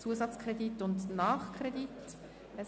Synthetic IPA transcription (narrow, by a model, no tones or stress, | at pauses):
t͡suəsɑt͡skʰrɛditʊndnɑːχkʰʁ̥edit | ɛ